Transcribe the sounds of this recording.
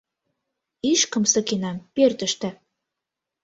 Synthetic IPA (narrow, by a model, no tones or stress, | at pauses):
iʃkə̆msɤ̆kenɑmpert̪ə̆ʃt̪æ̆